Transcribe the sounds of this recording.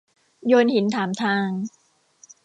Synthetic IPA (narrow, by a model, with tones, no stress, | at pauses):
joː˧nhi˩˦nt̪ʰaː˩˦mt̪ʰaː˧ŋ